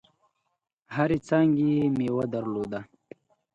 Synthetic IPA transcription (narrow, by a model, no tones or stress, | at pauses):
haɾit͡saːŋɡiemeːwɐd̪ɐɾloːd̪a